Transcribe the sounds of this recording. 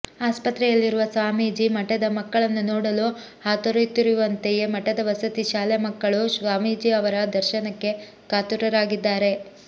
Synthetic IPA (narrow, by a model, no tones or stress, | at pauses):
aːspɐt̪ɾɛjɐlːiɾuʋɐsʋaːmiːd͡ʒimɐʈɐd̪ɐmɐkːɐɭɐnːunoːɽɐlu | haːt̪ɐɾɐjt̪ːiɾuʋɐnt̪eje̞mɐʈɐd̪ɐʋɐsɐt̪iʃaːlɛmɐkːɐɭuʃʋaːmiːd͡ʒiɐʋɐɾɐd̪ɐɾʃɐnɐkːe̞ | kaːt̪uɾɐɾaːɡid̪ːaːɾe̞